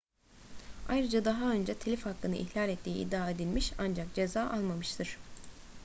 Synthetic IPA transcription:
ajɾɯd͡ʒad̪aɦaø̞nd͡ʒɛt̪ʰelʲifhakːɯnɯ̰ʔḭçlʲalʲɛt̪ʰːiːḭd̪ːaːed̪ilʲmiʃand͡ʒakd͡ʒe̞zaːʔalˠmamɯʃt̪ʰɯɾ̥

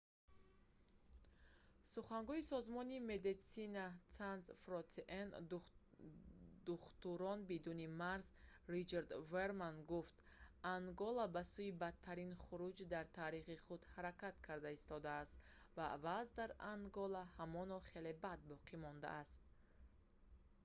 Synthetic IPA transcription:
suχaŋɡuisɔzmɔnime̞d̪it̪sinat͡sanzfɾɔt̪eʔen | d̪̥uχt̪uɾɔnbid̪unimaɾzɾit͡ʃaɾd̪veɾmanɡuft̪aŋɡɔlabasuibat̪ʰːaɾinχuɾud͡ʒd̪aɾt̪ʰaɾiχiχud̪haɾakat̪kʰaɾd̪aist̪ɔd̪aːst̪vavazd̪aɾaŋɡɔlahamɔnɔχe̞le̞bad̪̚bɔqʰimɔnd̪a̰ːst̪̚

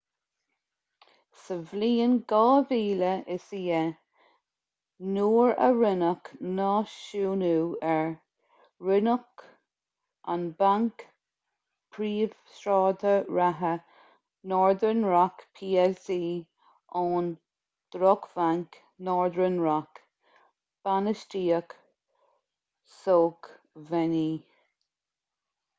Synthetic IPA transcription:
səvliːənɡɑːviːləʔɪsiːə | nuːɹə̰ɹɪnəknɑːʃuːnuːɛɹ | ɹɪnək | ʔa̰nbaŋk | pʰɾiːv̥sɾɑːd̪əɹaɦə | nɔːɹd̪ɾənɹakpʰiːɛlsiː | ʔɔːn | d̪̥ɾɔkvaŋk | nɔːɹd̪ɾənɹak | b̥anəstiːək | soːk | vɛniː

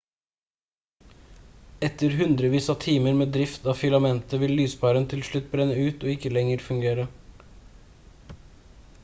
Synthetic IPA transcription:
ɛt̪ːəɾɦʉnd̪ɾəʋiːsɑt̪ʰiːməɾmeːd̪ɾɪft̪ɑːfʏlɑmɛnt̪əʋɪllyːspʰɑːɾənt̪ʰɪlʃɭʉt̪ːbɾɛnːəʉːt̪oːɪkːəlɛŋəɾfʉŋɡeːɾə

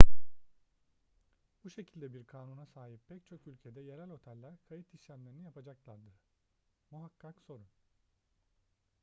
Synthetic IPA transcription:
buʃe̞cʰilʲd̪ɛbiɾkʰaːnunasaːɦippʰɛct͡ʃʰo̞kylʲcʰe̞d̪ɛje̞ɾælʲo̞t̪ʰɛlʲlːʲæɾkʰajit̪ʰiʃlʲæmlʲeɾinijapʰad͡ʒaklˠaɾd̪ɯɾ̥ | muɦakːakso̞ɾun

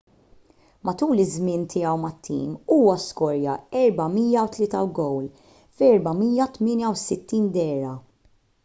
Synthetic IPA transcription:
mɐt̪uːlɪzmɪnt̪ʰɪjɐwmɐt̪ʰːḭːmuːwɐskɔɾjɐɛɾbɐmiːjɐwt̪lɪːt̪ɐwɡɔwl | fɛɾbɐmiːjɐt̪mɪːnjɐwsɪt̪ːiːnd̪ɛːɾɐ

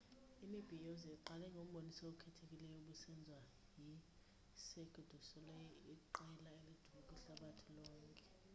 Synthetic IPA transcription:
imib̥ʱijɔzɛǃalɛŋɡʱom̩ɓonisaokʰɛtʰek̬ʼilɛjɔuɓusɛnd͡zʱwa | ji | seɡ̥ʱid̥ʱusɔlɛjiǃɛlaelid̥ʱukʼiɬaɓatʰilɔːŋkʼɛ̥

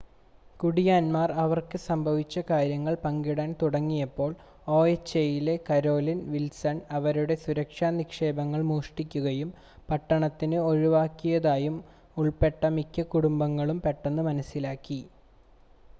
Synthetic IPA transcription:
kuɽijaːnmaːrɐʋɐrkɨsɐmbʱɐʋit͡ɕːɐkaːɾjɐŋːɐɭpɐŋɡiɽaːnt̪uɽɐŋːijɐpːo̞ːɭ | o̞ːet͡ɕːejile̞kɐɾo̞ːlinʋilsɐnɐʋɐɾuɽe̞suɾɐkʂaːnikʂe̞ːbɐŋːɐɭmuːʂʈikʲːuɣɐjum | pɐʈːɐɳɐt̪ːinɨo̞ɻiʋaːkːijɐðaːjum | uɭpe̞ʈːɐmikʲːɐkuɽumbɐŋːɐɭumpe̞ʈːenːɨmɐnɐsːilaːkːi

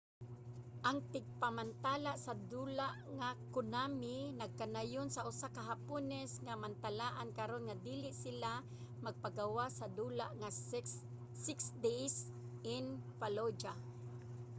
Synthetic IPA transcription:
ʔaŋt̪ɪɡ̚pamant̪aːlaʔsad̪uːlaʔŋakʊnamɪnaɡ̚kanajonsaʔʊsakaɦapunɛsŋamant̪alaːʔankaɾonŋad̪iːlɪʔsɪla | maɡ̚paɡawasad̪uːlaʔŋaː | ɪksd̪ɛjs | ʔɪnfalod͡ʒa

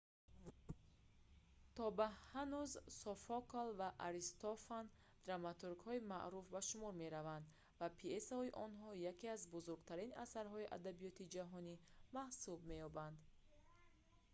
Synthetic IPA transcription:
t̪ʰɔbahanuzsɔfɔkolvaʔaɾist̪ɔfan | d̪̥ɾamat̪uɾɡhɔima̰ʔɾufbaʃumɔɾme̞ɾavand̪ | vapʰiesɔiʔɔnɦɔjakeazbuzuɾɡt̪ʰaɾina̰saɾɦɔiʔa̰d̪abijɔt̪id͡ʒaɦɔnimahsubme̞jɔband̪

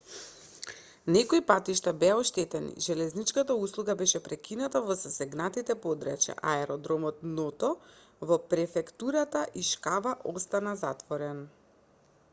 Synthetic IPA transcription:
nɛkɔipat̪iʃt̪abɛaɔʃt̪ɛt̪ɛnḭʒɛlɛznit͡ʃkat̪auslˠuɡabɛʃɛpɾɛkinat̪avɔzasɛɡnat̪it̪ɛpɔd̪ɾɛ̰t͡ʃa̰ʔaɛɾɔd̪ɾɔmɔt̪nɔt̪ɔ | vɔpɾɛfɛkt̪uɾat̪aʔiʃkavaʔɔst̪anazat̪vɔɾɛn

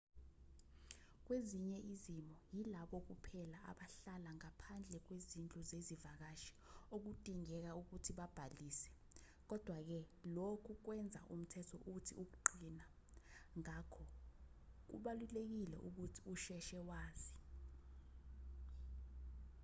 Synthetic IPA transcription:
k̬weziɲɛʔizimɔjilaɓɔk̬upʰɛlaʔa̰ɓaɬalaŋapʰand͡ɮʱɛk̬wezind͡ɮʼuzezivak̬aʃi̥ok̬ud̥ʼʱiŋɛk̬auk̬utʰiɓab̥ʱaliːsɛ̥ | k̬ɔd̥ʱwak̬ɛlokʰuk̬wɛnd͡zʱa̰ʔum̩tʰɛtʰɔʔuk̬utʰiuk̬uǃina | ŋakʰɔ | k̬ṵɓalulek̬ilɛ̰ʔuk̬utʰi̥uʃɛʃɛwaːzi

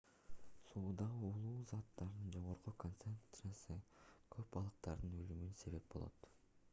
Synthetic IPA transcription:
suːd̪ɑʁɯulˠuːzɑt̪ːɑɾnɯnd͡ʒo̞ʁo̞ɾqukont̪sensɨasɯkʰø̞pɑlˠɯq̚t̪ɑɾd̪ɯnø̞lymynse̞βe̞p̚bo̞lˠo̰t̪

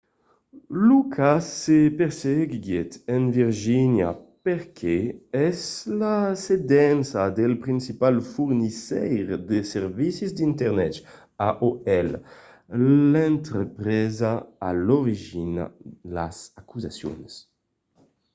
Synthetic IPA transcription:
lukʰassepeɾseɡɡjet̪enviɾʒinja̰peɾkʰeɛzlased̪ɛnsad̪elpɾinsipalfuɾnisɛjɾd̪eseɾvisizd̪int̪ɛɾnɛt̪ | aʔoɛl | lɛnt̪ɾəpɾɛzaaloɾiʒina̰la̰zakuza̰sjo̰ns

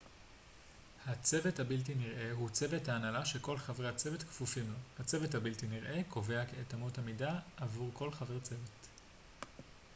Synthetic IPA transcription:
hat͡sevethabiltiniʁʔe̞ɦut͡seve̞thaːnalaʃe̞ko̞lχavʁeat͡sevetkfufimlohat͡se̞vethabiltiniʁʔe̞kʰo̞ve̞akeetamuthamidaʔavuʁkʰo̞lχavet͡sevet

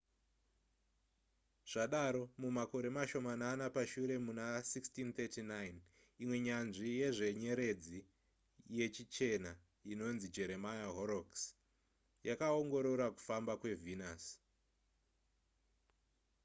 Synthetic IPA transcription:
ʐ̥aɗaɾo̞mumako̞ɾe̞maʃo̞mananapaʃuɾe̞munasikstint̪etinajn | imwe̞ɲanʐije̞ʐe̞ɲe̞ɾe̞d͡zi | je̞t͡ʃit͡ʃe̞na | ino̞nzid͡ʒe̞ɾe̞majaɦoɾoks | jakaoŋɡo̞ɾo̞rwaku̥fambakwe̞vinas

